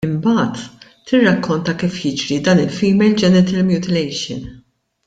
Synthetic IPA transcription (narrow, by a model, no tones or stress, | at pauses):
ɪmbɐːt̪ː | ɪrːɐkːɔnt̪ɐkiːfjɪd͡ʒɾid̪ɐːnɪlfiːmɛld͡ʒɛnɛt̪ɛlmjuːt̪ɪlɛjʃɪ̰n